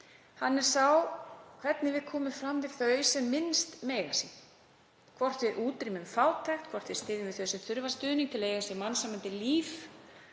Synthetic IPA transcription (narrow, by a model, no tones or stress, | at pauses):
hanːɛɾ̥sawkʰv̥ɛt̪nɪvɪðkʰɔːmʏmfɾamvɪðθœɥsɛmːɪnst̪meːjɣasin | kʰvɔr̥t̪vɪʔuːt̪ɾimʏmfaːwt̪ʰajxt̪kʰvɔr̥t̪fvɛ̥st̪ɪːðʏmvɪðθœːɥsʏmθʏɾvḁst̪ʏːðniŋt̪ʰɪlejɣasɛmansamant̪ɪliːf